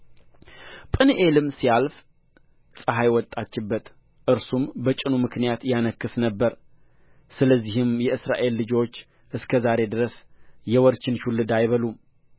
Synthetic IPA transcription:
pʼɨnʔelɨmsijalf | sʼɨɦajwɔt̪ʼːat͡ʃːɪbːət̪ | ʔɨɾsumbət͡ʃʼɪnumɨknijat̪janəkːɨsnəbːəɾ | sɨləzːihɨmjɛɨsɾa̰ʔe̞lːɨd͡ʒo̞t͡ʃː | ʔɨskʰəzaɾe̞d̪ɨɾəsjɛwɔɾt͡ʃɪnʃulːɨd̪ajβəlum

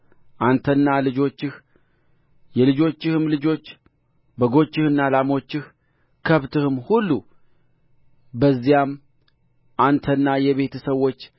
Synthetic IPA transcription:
ʔant̪ʰənːalɨd͡ʒo̞t͡ʃːɪh | jɛlɨd͡ʒo̞t͡ʃːɪhɨmlɨd͡ʒo̞t͡ʃː | bəɡo̞t͡ʃːɪhɨnːalamo̞t͡ʃːɪh | kʰəβt̪ʰɨhɨmhulːu | bəzːijam | ʔant̪ʰənːajɛβe̞t̪ʰsəwːo̞t͡ʃː

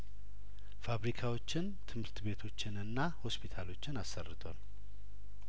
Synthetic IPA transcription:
faβɾikʰawo̞t͡ʃːɪnt̪ʰɨmhɨɾt̪be̞t̪ʰo̞t͡ʃːɪnɨnːaho̞spʰit̪ʰalo̞t͡ʃːɪnasːərːɨt̪ʰwa̰l

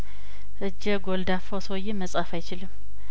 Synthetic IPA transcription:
ʔɨd͡ʒːəɡold̪afosojːɛməsʼafajt͡ʃɪlɨmː

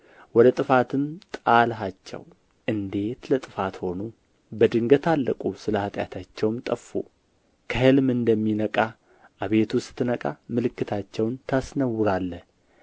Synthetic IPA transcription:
wɔd̪ət̪ʼɨfat̪ʰɨmt̪ʼalɦat͡ʃːɛ̰w | ʔɨnd̪e̞t̪lət̪ʼɨfat̪ho̞nu | bəd̪ɨŋɡət̪ʰalːəkʼusɨləhat̪ʼja̰t̪ʰat͡ʃːɛwmt̪ʼəfːṵ | kʰəhɨlmɨnd̪əmːinəkʼa | ʔaβe̞t̪ʰusɨ̥t̪ːɨnəkʼamɨlɨkːɨt̪ʰat͡ʃːɛwnt̪ʰasnəwːʊɾalːəh

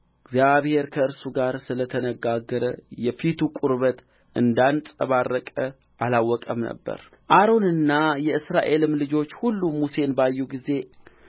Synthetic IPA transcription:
ɡzjaβhe̞ɾkʰəɨɾsuɡaɾsɨlət̪ʰənəɡaɡəɾəjɛfit̪ʰukʼuɾβət̪ | ʔɨnd̪ant͡sʼəβarːəkʼə | ʔalawːɔkʼəmnə̰bːə̰ɾ | ʔaɾo̞nɨnːajɛɨsɾaʔe̞lɨmlɨd͡ʒo̞t͡ʃːhulːumuse̞nbajːuɡize̞

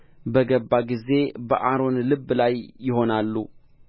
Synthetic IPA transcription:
bəɡəbːaɡize̞bə̰ʔaɾo̞nlɨbːlajːɪɦo̞nalːu

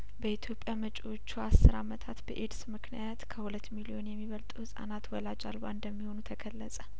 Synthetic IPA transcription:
bəit̪ʰjo̞pʼjamət͡ʃʼot͡ʃːuasːɨɾamət̪ʰat̪bəʔed̪smɨkʰnijat̪kʰəhulət̪ːmilio̞njɛmːiβəlt̪ʼuhɨsʼa̰nat̪wɔlad͡ʒa̰lwa̰ɨnd̪əmːiho̞nut̪ʰəkʰəlːəsʼə

